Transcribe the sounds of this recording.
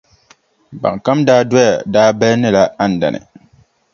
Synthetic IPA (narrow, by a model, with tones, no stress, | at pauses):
ba̰˨ŋ˨ka˦mdaː˦dwɔ˦ja˨daː˦bɛ˦lnɪ˦la˦a˦˨n̩˨da̰˨nʔɪ̰˨